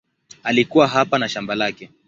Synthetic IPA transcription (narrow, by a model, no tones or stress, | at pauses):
alikuwaɦapanaʃambalakɛ